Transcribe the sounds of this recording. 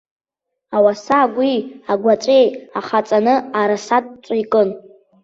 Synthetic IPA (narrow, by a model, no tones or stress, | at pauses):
awasaːɡʷiaɡʷat͡ʃʷʼejaχat͡sʼanɨaɾasatʼt͡sʷʼaikʼɨn